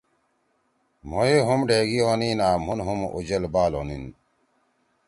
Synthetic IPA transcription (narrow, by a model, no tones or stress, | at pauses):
m̤oeɦumɖʱeːɡioːniːnaːm̤onɦumṵd͡ʑɐlbaːlo̰ːnḭn